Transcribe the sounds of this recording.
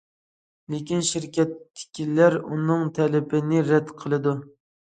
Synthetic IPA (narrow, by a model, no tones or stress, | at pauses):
lekʲinʃiɾkʲɛt̪ːɪ̥kʲʰilæɾunɨŋt̪ʰɛlɪbɪnɪɾɛd̪qʰəlˠɨd̪u